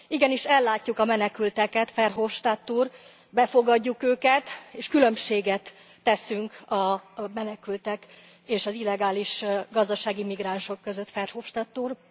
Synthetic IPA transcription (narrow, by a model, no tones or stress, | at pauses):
iɡɛniʃɛlːaːcːukɒmɛnɛkylt̪ɛkɛt̪fɛrɦoːfʃt̪at̪ːuːr | bɛfo̞ɡɒɟːukøːkɛt̪eːʃkylø̞mʃeːɡɛt̪ː | ɛsyŋkɒmɛnɛkylt̪ɛk | eːʃɒzilːɛɡaːliʃɡɒzd̪ɒʃaːɡimiɡraːnʃo̞kːø̞zø̞t̪fɛrhoːfʃt̪at̪ːuːr